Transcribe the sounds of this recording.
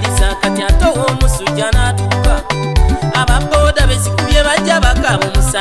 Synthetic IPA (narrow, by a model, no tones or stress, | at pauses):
isakatiatowomusuɟanatuka | aβabo̞daβesikuɾjeβaɟaβakaβomusa